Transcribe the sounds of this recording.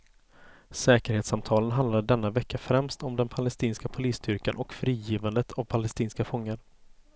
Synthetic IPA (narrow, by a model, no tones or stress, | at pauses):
sɛːkəɾheːt̪samt̪ʰɑːlənɦand̪laɖɛnːavɛkːafɾɛmst̪ɔmd̪ɛnpʰalɛst̪iːnskapʰʊliːsd̪ʏɾkanʔɔkfɾiːjiːvand̪ət̪ʰavpʰalɛst̪iːnskafɔŋːaɾ